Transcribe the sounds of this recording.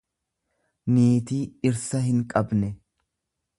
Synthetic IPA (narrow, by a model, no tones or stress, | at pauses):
neːt̪iːɪɾsɐhɪŋkʼɐbnɛ